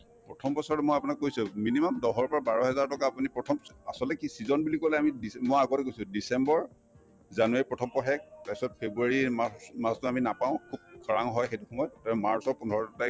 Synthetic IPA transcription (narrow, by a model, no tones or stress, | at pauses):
pɹɔtʰɔmbɔsɔɹɛmojapunakkojsɔminimɔmdɔɦɔɹpɔɹabaɹɔɦɛzaɹtɔkaːpunipɹɔtʰɔmasɔltɛkisizɔnbulikɔlɛamidimojaɡɔtɛkojsʊ̃disɛmbɔɹ | zanuaɹipɹɔtʰɔmpɔxɛk̚pasɔt̚pʰebuaɹimamastʊaminapaʊ̃kʰub̚kʰɹa̰ŋɦɔjxejtuxɔmɔjɔttɔma̰ɹsɔɹpunʱɔɹɔtɔta